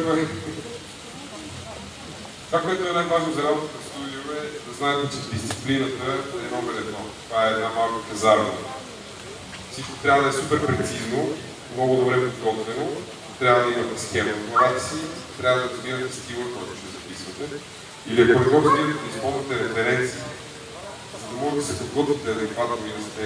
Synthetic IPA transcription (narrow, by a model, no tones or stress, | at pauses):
t̪ovakoɛt̪ʊɛnajvaʒnozɐɾabot̪ət̪ɐfst̪ud̪iovɛd̪ɐznaɛt̪ɛt͡ʃɛd̪ist̪si̥plinət̪əɛnɔɡɛlɛd̪nɔt̪ovaɛːd̪namalˠkopɐzaɾnə̰ | sit͡ʃko̥t̪ɾʲavəd̪ɐɛsupɛɾpɾɛt̪sizno | mnɔɡʊd̪obɾɛpod̪ɡɔt̪vɛno | t̪ɾʲavəd̪ɐimɐt̪ɛsxɛmkoɾaksit̪ɾʲavəd̪ɐɾɐzvivət̪ɛst̪ilˠəkɔjt̪o̥ʃɛzɐpisvət̪ɛ | iliɛpɐd̪ɡɔt̪imt̪ɛd̪ispɔlˠvət̪ɛɾɛfɛɾɛnt̪siː | zɐd̪ɐmɔʒɛd̪ɐsɛpod̪ɡɔt̪vʲit̪ɛɐd̪ɛkvat̪noinɐsɛ